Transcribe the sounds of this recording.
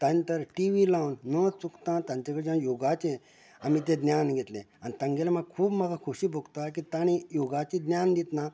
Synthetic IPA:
t̪ãjt̪əɾʈiʋilawnnət͡sukt̪ãt̪ãɲt͡ɕakəɽid͡ʑãjoɡat͡ɕẽ | amit̪̬ẽd̪njanɡʱet̪lḛ̃ | aɽ̃nit̪ãŋɡelamaɡkʰuːbmaɡakʰuɕiːboɡt̪ak̬it̪aɽ̃ijoɡat͡ɕĩd̪njand̪it̪na

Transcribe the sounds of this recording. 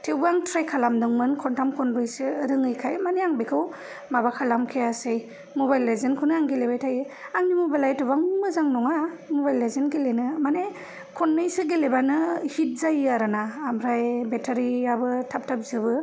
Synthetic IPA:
tʰewbaŋtʰɾajkʰalamdɯŋmɯnkʰɔntʰamkʰɔnɾɯjsɯɾɯŋɯjkʰajmaneaŋbekʰɯw | maβakʰalamkʰejasej | mɔbajlːezenkʰɯnɯaŋɡelebajtʰajɯ | aŋnimɔbalajtɯβaŋmɯzaŋnɔŋamɔbajlːezenɡelenɯmane | kʰɔnːɯjsɯɡelebanɯhit̚zajaɾɯnaːmɾajbetʰaɾiabɯtʰap̚tʰap̚zɯβɯ

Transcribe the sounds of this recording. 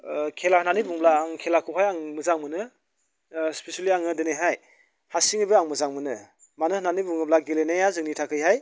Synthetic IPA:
kʰelahɯnanibuŋblaːŋkʰelakʰuɦajaŋmɯzaŋmɯnɯ | spesaliaŋɯdenejɦaj | hasiŋibɯaŋmɯzaŋmɯnɯ | manɯhɯnanibuŋɯblaɡelenajazɯŋnitʰakʰɯjɦaj

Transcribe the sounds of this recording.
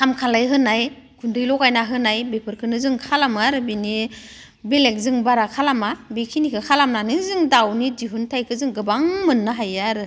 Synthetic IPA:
kʰamkʰalajɦɯnaj | kʰundɯjlɔkajnaɦɯnajbepʰɯɾkʰɯnɯzɯŋkʰalamaɾɯbini | belek̚zɯŋbaɾakʰalamabikʰinikʰɯkʰalamnanɯzɯŋdawnidiɦuntʰajkʰɯzɯŋɡɯbaŋmɯnːɯɦajaɾɯ

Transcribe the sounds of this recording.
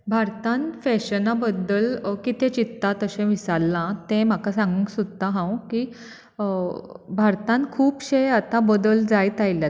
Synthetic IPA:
bʱaɾt̪ãnfɛɕənabəd̪ːəlkit̪ẽt͡ɕit̪ːat̪əɕẽʋisalːãt̪ẽm̤akasãŋɡəŋsud̪t̪aɦãwki | bʱaɾt̪ãnkʰuːpɕejat̪ãbəd̪əld͡zajt̪ajlja

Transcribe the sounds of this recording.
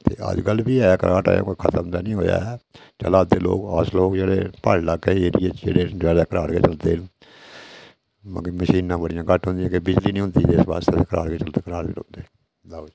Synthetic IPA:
t̪eːʔə̰d͡ʒɡəlbiːɛːkəɾʔaːʈa̰ːjõ̰ːkokʰət̪əmd̪aːnĩːɦoːja̰ɛt͡ʃə̰laːd̪eːlo̰ːkaːsloːkd͡ʒeːɽeːpaːɽlaːkeɦːɾieːḛːɽeːd͡ʒaːeːkəɾaːɽkeːt͡ʃəld̪eː | m̰kːməʃiːnãːbəɽɪjãːkəʈʰɦʊ̃nd̪ɪjãːkebɪd͡ʒliːnĩːɦʊ̃nd̪ieːsʋa̰ːst̪eːd̪ekəɾaːɽɡeːt͡ʃəlt̪eːkəɾaːɾʋḭlõ̰nd̪eː | d̪a

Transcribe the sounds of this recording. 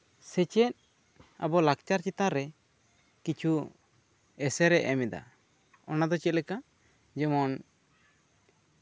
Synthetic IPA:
sɛt͡ʃɛt̪̚ | abɔlak̚t͡ʃaɾt͡ʃit̪aɾɛ | kit͡ʃʰu | ɛsɛɾɛʔʔɛmɛd̪a̰ | ɔnad̪ɔt͡ʃɛt̪lɛka | d͡ʒɛmɔn

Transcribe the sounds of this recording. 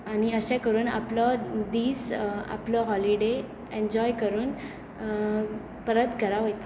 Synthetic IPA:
añiəɕɛ̃kəɾuːna̰plɔd̪iːsa̰plɔɦɔliɖe | eɲd͡ʑɔjkəɾuːn | pəɾət̪kəɾaʋəjt̪

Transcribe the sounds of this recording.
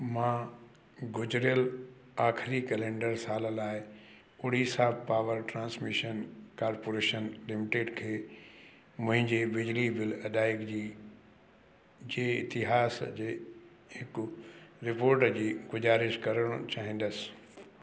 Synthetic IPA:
mãː | ɡʊd͡ʑɾjəl | aːxʰɪɾikɛlẽːɳɖəɾsaːləlaːɪ | ʊɽisaːbpaːʋəɾʈɾãːnsmɪʃənkaːɾpoːɾeːʃənlɪmɪʈeːɖkʰeː | mʊ̃ɦɪ̃ɲd͡ʑebɪd͡ʑlibɪlɐɗaːɪkd͡ʑiː | d͡ʑeːɪ̰t̪ɪɦaːsd͡ʑeː | hɪkʊɾɪpoːɾʈəd͡ʑiːɡʊzaːɾɪʃkɐɾəɽ̃ʊt͡ɕaːɦĩːn̆d̪əsɪ̥

